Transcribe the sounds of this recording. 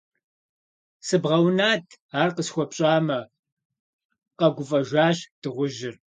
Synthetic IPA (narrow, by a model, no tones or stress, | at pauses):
sɨbʁɐwnaːtʰaːrqəsxʷɔpɕʼaːmɐ | qɐɡʷʊfʼɐʒʷaːɕd̥ɨʁʷʊʒɪr